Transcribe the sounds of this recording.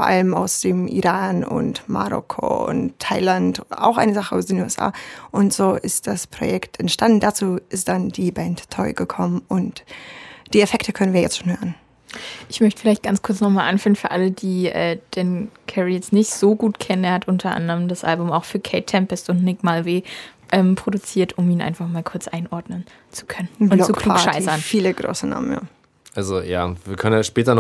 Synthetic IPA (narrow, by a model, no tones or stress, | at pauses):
fɔɐʔa̰ləma̰ʊsd̥eːmʔḭʁaːnʊ̰ntma̰ʁɔ̰kʰo̰ʊ̰ntʰːaɪlanta̰ʊxʔa̰ɪnəzaχəʔa̰ʊsd̥enuːɛsʔa̰ːʔʊntz̥oːʔɪst̚d̥aspʁ̥o̰jɛktʰɛntʃtandn̩dat͡suːɪst̚d̥andiːbɛntʰːɔʏɡəkʰɔmənʊnt | d̥iːɛfɛktəkʰœnənviːɐjɛ̰t͡stʃoːnhøːʁən | ʔɪçmœçtə̥fɪlaɪçt̚ɡ̥ant͡skʰʊɐt͡snɔχmaːlʔanfyːɐənfyːɐʔaləd̥iːʔɛ̰ːd̥ɛːnkʰɛʁijɛt͡stnɪçtz̥oːɡuːtkʰɛnəneːɐhatʔʊntʰɐʔa̰ndəʁəmdasʔa̰lbʊmaʊxfyːɐkʰɛɪtʰːɛmpəstʊntnɪkmalveːʔɛːmpʁ̥odut͡siːɐtʊmiːnʔa̰ɪnfaχmaːlkʰʊɐt͡sʔa̰ɪnʔɔɐdnən | t͡su̥kʰœnənʊnlt͡sukuːʃaɪɐnfiːləɡʁo̰ːsəna̰ːmə̰nja̰ː | ʔalzoja̰ːviːɐkʰœnənjaʃpɛːtɐn